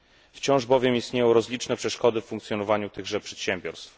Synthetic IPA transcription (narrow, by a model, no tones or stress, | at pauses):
ft͡ɕɔ̃w̃ʐbɔvʲjɛmist̪ɲejɔ̃w̃ɾɔzlʲit͡ʂnɛpʂɛʂkɔd̪ɘffuŋkt̪sʲjɔnɔvaɲut̪ɘɣʐɛpʂɛt̪ɕɛmbʲjɔɾst̪f